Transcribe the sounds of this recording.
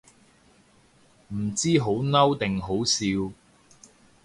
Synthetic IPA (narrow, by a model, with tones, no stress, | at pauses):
m̩˨˩t͡siː˥ɦo˨˥wnɐ˥wt̪ɪ˨ŋɦo˨˥wsiː˧w